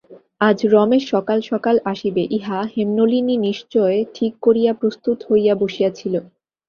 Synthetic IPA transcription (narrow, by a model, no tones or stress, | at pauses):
ad͡ʑɾɔmeɾʃɔkalʃɔkalaʃibeʔiɦahemnolininiʃt͡ɕɔeʈʰikːoɾijapɾost̪ut̪hojjaboʃijat͡ɕʰilo